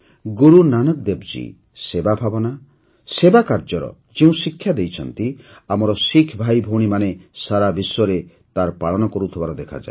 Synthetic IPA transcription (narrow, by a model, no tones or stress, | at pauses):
ɡuɾunanɔk̚d̪ebd͡ʒḭ | sebabʱabɔna | sebakaɾd͡ʒɔɾɔ̰ | d͡ʒeũsikʰːjad̪ejt͡ʃʰɔnt̪iamɔɾɔsikʰbʱajbʱoɽ̃imanesaɾabisɔɾe | t̪aɾpaɭɔnɔkɔɾut̪ʰibaɾɔd̪ekʰa̰d͡ʒa̰e